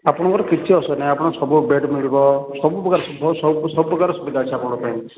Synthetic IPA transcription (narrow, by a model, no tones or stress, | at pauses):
apɔɽ̃ɔŋkɔɾɔkit͡ʃʰiɔsɔnãapɔɽ̃ɔsɔbubeɖmiɭibɔsɔbupɾɔɡaɾɔsubʱɔsɔbusɔbupɾɔɡaɾɔsubid̪ʱat͡ʃʰiapɔɽ̃pen